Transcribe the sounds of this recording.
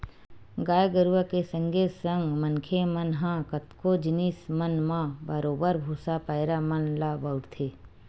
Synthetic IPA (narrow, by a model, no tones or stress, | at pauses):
ɡaːjɡəɾuwakesə̃ŋɡʱesə̃ŋɡmənkʰemənɦãːkət̪kod͡ʒɪniːsmənmãbəɾoːbəɾbʱuːsapəɪɾamənlaːbəʊʈt̪ʰeː